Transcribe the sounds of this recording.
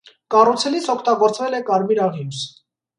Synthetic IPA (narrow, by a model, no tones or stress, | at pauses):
kɑrut͡sʰɛlit͡sʰɔkʰt̪ɑɡɔɾt͡svɛlɛkɑɾmiɾɑʁims